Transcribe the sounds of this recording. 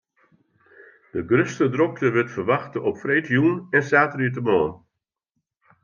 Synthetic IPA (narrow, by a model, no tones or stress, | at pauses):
d̥əɡrøstədrɔk̚təɾʋɪtfərʋaxtəʔɔpfreːtjunɛnsaːtəriət̬əmɔːn